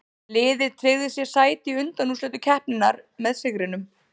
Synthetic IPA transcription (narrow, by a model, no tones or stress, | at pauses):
lɪːðɪɾt̪ʰɾeɣðɪsjɛsaːjt̪ɪʏnt̪anːuslɛːt̪ʏcʰɛhpnɪnːaɾmɛðsɪɣɾɪnʏm